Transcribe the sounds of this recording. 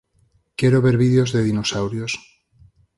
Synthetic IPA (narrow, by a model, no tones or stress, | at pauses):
kjeɾoβe̞ɾβiðeo̞zðe̞ðinosawɾjos